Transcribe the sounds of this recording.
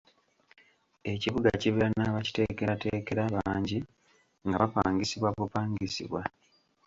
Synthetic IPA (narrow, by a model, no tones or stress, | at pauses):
e̞ciβuɡaciβiɾanaβaci̥te̞ke̞ɾate̞ːke̞ɾaβaːɲɟi | ŋɡaβapaːŋɡisiβwaβupaːŋɡisḭβwa